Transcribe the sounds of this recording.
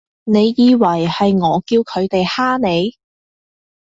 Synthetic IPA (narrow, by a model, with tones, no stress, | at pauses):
ne˨˧jːiː˨˧wɐ˨˩jhɐ˨jŋɔː˨˧kiː˧wkʰɵ˨˧ɥt̪e˨jhaː˥ne˨˧j